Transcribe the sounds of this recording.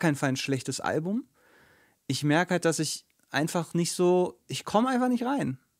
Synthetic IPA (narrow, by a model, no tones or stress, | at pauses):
kʰaɪnfalnʃlɛçtəsʔa̰lbʊm | ʔɪçmɛɐkəhalt̚d̥asɪç | ʔa̰ɪnfaχnɪçtz̥oːʔɪçkʰɔməaɪnfaχnɪçtʁaɪn